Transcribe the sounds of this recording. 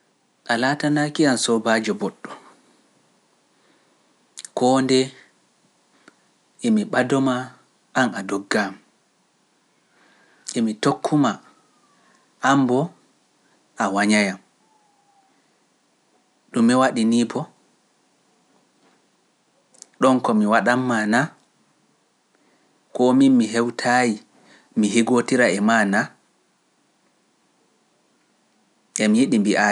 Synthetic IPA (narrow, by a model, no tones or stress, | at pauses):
ʔalaːtanakiansɔbaːd͡ʒɔbɔɗːɔ | kɔːndɛ | emiɓadɔma | ʔanadɔɡːam | emitokʰːuma | ʔambɔ | ʔawaɲajam | ɗumːiwaɗiniːbɔ | ɗɔnkɔmiwaɗamːana | kɔminmiɦɛwtʰaːji | miɦiɡotiɾaɛmana | ʔɛmijiɗimbiʔa